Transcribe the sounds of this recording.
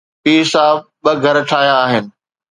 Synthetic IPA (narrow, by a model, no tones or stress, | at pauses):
piːsaːb̚ | ɓɐɡʱɐɾʈʰaːjaːɦɪnɪ̆